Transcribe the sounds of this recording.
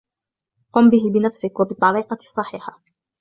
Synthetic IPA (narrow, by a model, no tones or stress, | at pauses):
qʊmbɪɦɪbɪnafsɪkwabɪt̪ˤːɑɾiːqɑsˤːɑħiːħa